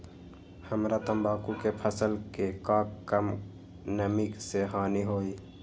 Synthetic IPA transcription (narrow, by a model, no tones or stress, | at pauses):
həmɾat̪əmbaːkukepʰəsəlkekãːkkəm | nəmikseɦaːniɦoːi